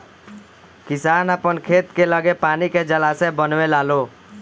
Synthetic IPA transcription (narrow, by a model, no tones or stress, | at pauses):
kisanapənkʰet̪keləɡepaniked͡ʒəlasebənwelalo